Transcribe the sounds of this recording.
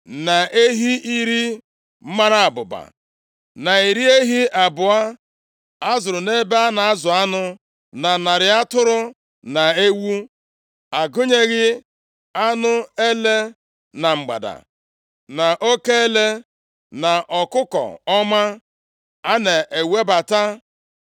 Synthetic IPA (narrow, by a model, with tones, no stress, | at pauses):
na˨ʔe˦ɦi˦ʔi˦ɾi˦ | m̩˦ma˦ɾa˦a˨bʊ˨ba̰˨ | na˨i˨ɾi˦e˦ɦi˦ʔa˨bʊ˨a˦ | a˦zʊ˨ɾʊ˨ne˦be˦a˦na˨a˦zʊ˨a˦nʊ˦ | na˨na˨ɾɪ˨a˦tʊ˦ɾʊ˦ | na˨e˦wu˦ | a˨ɡʊ˦ɲe˦ɣɪ˦ | a˦nʊ˦e˦le˦ | na˨ŋ͡m̩˨ɡ͡ba̰˨da̰˨ | na˨ʔo˦ke˦e˦le˦ | na˨ʔɔ˨kʊ˦kɔ̰˨ɔ˦ma˦ | a˦ne˨ʔe˨we˦ba˨ta˦